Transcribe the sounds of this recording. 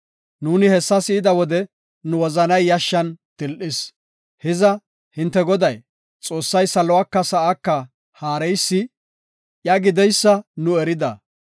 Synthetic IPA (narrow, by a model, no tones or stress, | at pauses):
nuːnɪhɛsːɐsɪɪd̪ɐwɔd̪ɛ | nʊwɔzɐnɐjːɐʃːɐnt̪ɪlʔɪs | hɪzɐ | hɪnt̪ːɛɡɔd̪ɐj | t͡sʼo̞ːsːɐjsɐlɔwɐkːɐsɐʔakːɐ | haːɾɛjsːɪ | jaɡɪd̪ɛjsːɐnʊɛɾɪd̪ɐ̰